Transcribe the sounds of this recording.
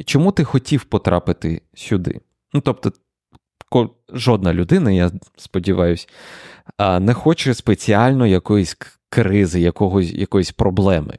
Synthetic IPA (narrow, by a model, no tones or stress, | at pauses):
t͡ʃɔmut̪ɪxɔtʲiwpɔt̪ɾʔɑ̰pɪt̪ɪ̰ | sʲʊd̪ɪ̰ | nut̪ɔp̚t̪ɔ | kɔ | ʒɔd̪̚nɐlʲʊd̪ɪnɐjaspɔdʲiʋɑjʊsʲ | nɛxɔt͡ʃɪspet͡sʲiɑlʲnɔjɐkɔjʊsʲ | kɾɪzɪjɐkɔɦɔsʲjɐ̰kɔjʊsʲpɾɔblˠɛmɪ̰